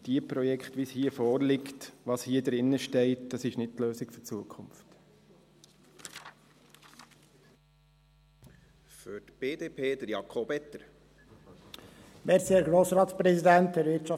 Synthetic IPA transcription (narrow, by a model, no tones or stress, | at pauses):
d̥iəpɾɔjɛkχtʋishiːəfɔːɾlɪktʋɑshiːədɾɪnːəʃtɛɪtd̥ɑsɪʃnɪt̚tløːsɪkfʏɾt͡suəkʰʊmft | fʏɾtb̥eːd̪eːpʰeːd̪əɾjɑkʰobɛt̪əɾ | mɛɾsiɛɾɡɾoːsɾɑːt̪spɾɛsidæntdɛɾvɪɾtt͡ʃɑ